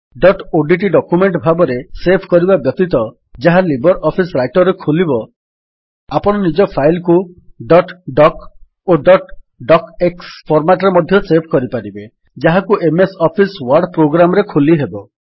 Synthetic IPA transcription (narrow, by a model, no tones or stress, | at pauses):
ɖɔʈoɖiʈ̬iɖɔkumeɳʈbʱabɔɾesepʰkɔɾibabjɔt̪it̪ɔ | d͡ʒaɦalibɔɾʔɔpʰisɾajʈɔɾekʰulibɔ | apɔɽ̃ɔnid͡ʒɔpʰajlkuɖɔʈɖɔk | oɖɔʈ | ɖɔkekspʰɔɾmaʈɔɾemɔd̪ʱjɔsepʰkɔɾipaɾibe | d͡ʒaɦakuʔemesɔpʰiswaɾɖpɾoɡɾamɔɾekʰuliɦebɔ